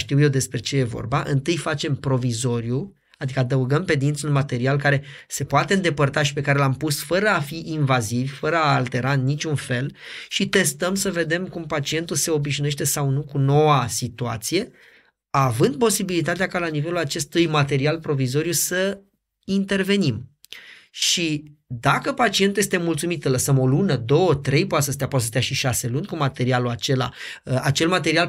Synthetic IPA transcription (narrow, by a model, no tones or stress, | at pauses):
ʃt̪iwjed̪e̞spɾe̞t͡ʃe̞je̞vo̰rbaʔɨnt̪ɨjfat͡ʃe̞mpɾo̞vizo̞ɾju | ad̪ikəad̪əuɡəmpe̞d̪int̪sunmat̪e̞ɾialkaɾe̞ | se̞poat̪e̞ɨnd̪e̞pərt̪aʃi̥pe̞kaɾe̞lampusfəɾəafiʔinvazivʲfəɾəaːlt̪e̞ɾaɨnːit͡ʃʲunfe̞lʃit̪e̞st̪əmsəve̞d̪e̞mkumpat͡ʃie̞nt̪ulse̞o̞biʃnueʃt̪e̞sawnukuno̞wasit̪ua̰t̪sije̞ | avɨnd̪̚po̞sibilit̪at̪eakalanive̞lulat͡ʃe̞st̪ujmat̪e̞ɾialpɾo̞vizo̞ɾjusə | int̪e̞rve̞nim | ʃʃid̪akəpat͡ʃient̪uje̞st̪e̞mult̪sumit̪sələsəmo̞lunəd̪o̞wət̪ɾe̞jpowat̪səst̪eapoat̪səst̪eaʃiʃase̞lunʲkumat̪e̞ɾialuat͡ʃe̞la̰at͡ʃe̞lmat̪eɾial